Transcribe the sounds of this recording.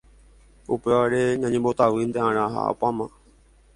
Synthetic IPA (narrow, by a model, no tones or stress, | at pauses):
upe̞ʋaɾe̞ɲãɲẽmbot̪aʋɨnd̪eãɾ̃ãɦa̰a̰pamã